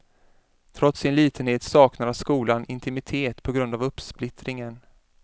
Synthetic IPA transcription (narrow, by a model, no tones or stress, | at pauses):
t̪ʰɾɔt̪sɪnliːt̪ʰənheːt̪sɑːknaɾaskuːlanʔɪnt̪ʰɪmɪt̪ʰeːt̪pʰɔɡɾɵnd̪avɵpːsplɪt̪ɾɪŋən